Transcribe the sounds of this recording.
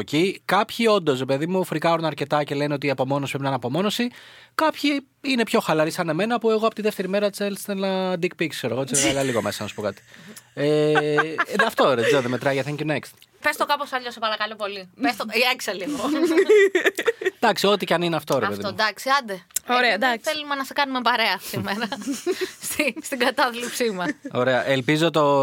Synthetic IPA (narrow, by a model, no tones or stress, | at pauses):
ocikɐpçio̞nd̪o̞sɾe̞pe̞ðimufɾikɐɾunɐɾce̞t̪ɐce̞le̞nio̞t̪iɐpo̞mo̞nospɾeinɐnɐpo̞mo̞no̞sikɐpçi | ine̞pço̞xɐlɐɾisɐneme̞nɐːpue̞ɣo̞ɐpot̪iðet̪e̞ɾime̞ɾɐt͡selst̪enɐd̪ik̚pikskseɾoɣot̪it͡sselsɐlɐliɣo̞me̞sɐnɐsu̥po̞kɐt̪i̥e | ðɐft̪o̞ɾezeoðemet̪ɾɐʝɐθeɲcunekst̪ | pe̞st̪okɐposɐʎosepɐɾɐkɐlopo̞lipest̪oieksɐlipon | d̪ɐksio̞t̪icɐnineɐft̪o̞ɾepeðiod̪ɐksiɐd̪eoɾeɐd̪ɐθθelumenɐsɐkɐnumepɐɾeɐsimeɾɐ | st̪ist̪iɡɐt̪ɐðlipsimɐso̞ɾe̞ɐʔelpizot̪o